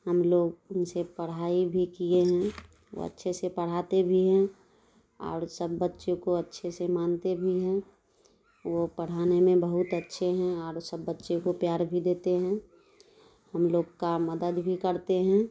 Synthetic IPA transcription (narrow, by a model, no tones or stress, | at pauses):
həmloːɡʊnsepəɽ̤aːibʱikieɦɛ̃ | wo̰ə̰tːʃʰesepəɽ̤at̪ebʱiɦɛ̃ | ɔ̰ːɾsəbːətːʃẽkoətːʃʰesemaːnt̪ebʱiɦɛ̃ | ʋopəɽ̤aːnemẽbəɦʊt̪ətːʃʰeɦɛ̃ɔːɾsəbːətːʃekopjaːɾbʱid̪eːt̪eɦɛ̃ | həmloːɡkaməd̪əd̪bʱikəɾt̪eɦɛ̃